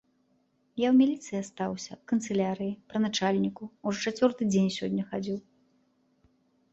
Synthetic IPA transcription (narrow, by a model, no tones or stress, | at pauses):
jawmʲilʲit̪sɨjiast̪awsʲɐpkɐnt̪sɛlʲaɾɨjipɾɐnat͡ʂalʲnʲikuuʐɔt͡ʂat͡sʲvʲɔrt̪ɨd͡zʲenʲsʲɔd̪ʲnʲɐxad͡zʲiw